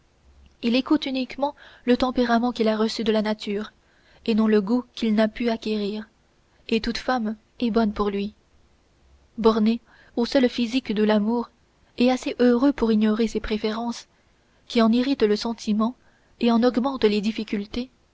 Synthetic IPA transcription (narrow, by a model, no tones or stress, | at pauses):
ilekut̪ynikmɑ̃lət̪ɑ̃peʁamɑ̃kʲilaʁəsyd̪əlanat̪ʰyːʁ | enɔ̃ləɡukʲilnapyakʲeʁiːʁ | et̪ut̪fam | ɛbɔnpuʁlɥi | bɔʁne | osœlfizikd̪əlamuːʁ | ɛaseʔøʁøpuʁiɲɔʁesepχefeʁɑ̃s | kʲiɑ̃niʁit̪ləsɑ̃t̪ʰimɑ̃ | eɑ̃nɔɡmɑ̃t̪led̪ifikʲylt̪e